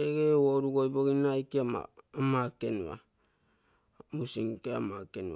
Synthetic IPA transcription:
eɡewoɾuɡojboɡinajkiaa̰makenua̰ | musiŋkeamakenṵa

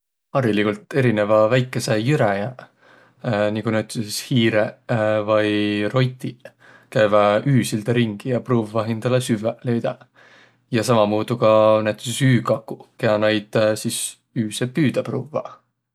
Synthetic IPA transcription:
ɑɾilikult̪ˑe̞ɾine̞vɑvæjkːˑe̞se̞jyɾæjæ | nikunæwt̪ːˑesishiːɾevɑjro̞jt̪i | kæjvæʔyːsild̪̥ɑɾiŋɡ̥ijɑpruːvːɑɦind̪̥ɑlesyvelejd̪̥ɑ | jɑsɑmɑmuːd̪̥ukɑnæt̪ːˑesesyːkɑkːˑukeɑnɑjd̪̥sis | yːsepyːd̪̥ɑpruːvɑ̰

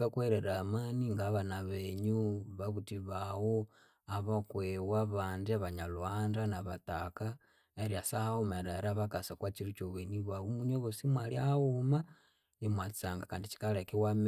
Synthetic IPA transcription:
akweɾeɾamaniŋɡaːβanaβeɲuβaβutiβawo | aβakwewaβaːndiaβaɲalwaːndanaβataka | eɾiasahaumaɾaɾaβakasakwat͡ʃiɾit͡ʃoβweniβaumuɲoβosimwaliahauma | emwat͡si̥t͡saŋɡakaːndit͡ʃi̥kalekiwam

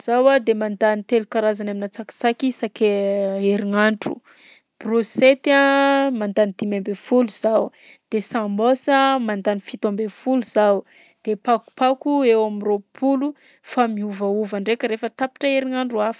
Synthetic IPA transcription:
z̥awad̪emand̪anit̪elukaɾazanaminat͡saki̥t͡sakisakeeɾiŋaɳʈ͡ʂṵ | proset̪amand̪anid̪̥imambefuluzaw | d̪̥esãmosəmand̪anifit̪ombefuluz̥aw | d̪̥epaku̥pakuewamiropʰulu | famiuvauvaɳɖ͡ʐekʲəɾefət̪api̥ʈ͡ʂəeɾiŋaɳɖ͡ʐuafə̥

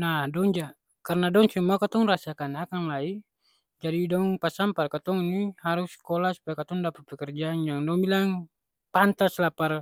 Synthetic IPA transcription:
nahdɔŋd͡ʒa | karnadɔŋsumuakat̪ɔŋrasakanakaŋlai | d͡ʒadidɔŋpasamparkat̪ɔŋnihaɾuskɔlasu̥pajakat̪ɔŋdapapɛkɛrd͡ʒaŋjaŋdɔŋbilaŋ | pant̪aslapar

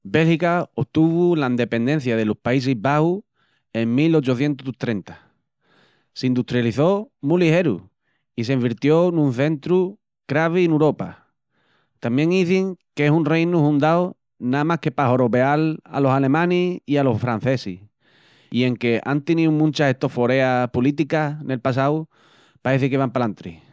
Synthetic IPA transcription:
be̞lhikaot̪uβulaind̪e̞pe̞nd̪e̞n̟θjaðe̞lohpais̬iɦβahu | e̞ŋmilo̞t͡ʃoθje̞nt̪ut̪ɾe̞nt̪ḁ | seind̪ut̪ɾjaliθo̞mulihe̞ɾṵ | ise̞imbiɾt̪jo̞nũn̟θe̞nt̪ɾu | kɾaβ̞inuɾo̞pa̰ | t̪amje̞ŋiθiŋkesunrejnuhund̪aw | namahke̞paɦo̞ɾoβeala̰lo̞sale̞mãniialo̞fɾan̟θe̞sḭ | ie̞ŋke̞ʔant̪enĩumũnt͡ʃahe̞ht̪o̞fo̞ɾe̞apolit̪̬ikane̞lpas̬aw | paeθikeβampalant̪ɾḭ

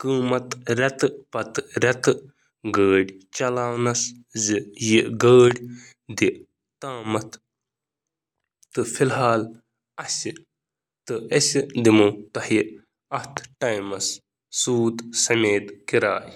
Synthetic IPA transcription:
kɨːmɐt̪ɾʲɐt̪ɨpɐt̪ɾʲɐt̪ɨ | ɡəːɽʲt͡ʃɐlaːwnɐs | zijiʔɡəːɽʲ | d̪iʔ | t̪aːmɐt̪ʰ | t̪ɨfʰilɦaːl | ɐsi | t̪ɨɐsid̪imut̪ɐhi | ɐht̪ʰʈaːjmɐs | suːd̪sɐmeːd̪kiɾa̰ːj

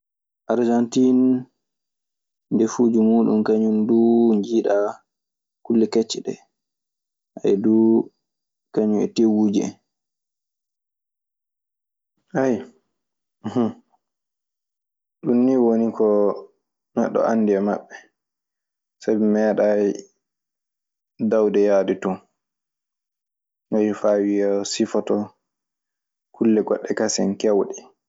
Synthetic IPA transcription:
ʔaɾd͡ʒantin | dɛfuːd͡ʒumuːɗumkaɲumduɲd͡ʒiːɗa | kulːɛkɛt͡ʃːɛɗɛ̰ | a̰jdu | kaɲuɛ̰tewud͡ʒɛ̰ | haj | h | ɗunːiwonikʰɔ | nɛ̰ɗːɔ̰anːdiama̰ɓːɛ | sabimɛːɗaj | dawdɛjaditu | najfaːwijasifɔtɔ | kʰulːɛɡɔɗːɛkasɛnkɛwɗɛ

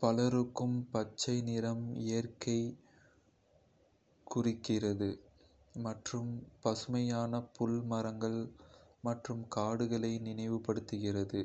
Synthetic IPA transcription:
pɐlɐɾɯkːɯmpɐt͡ʃːɐɪnɪɾɐmejɐrkɐɪ | kʊrɪkːɪrɐðɯ | mɐʈrɯmpɐsɯmɐjaːnɐpʊlmɐɾɐŋɡɐɭmɐʈrɯmkaːɽɯɣɐɭɐɪnɪnɐɪʋɯpːɐɽɯt̪ːɯɣɪrɐðɯ

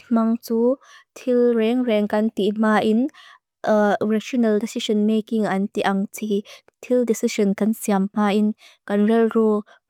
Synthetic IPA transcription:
mɐŋt͡suːt̪ʰilrɛŋrɛŋkɐnt̪im̥aːʔin | raʃɔnɐldɛsisɔnmekiŋʔɐnt̪iʔɐŋt͡sʰi | t̪ʰildɛsisɔnkɐnsiamm̥aːʔinkɐnrɛlrɔ

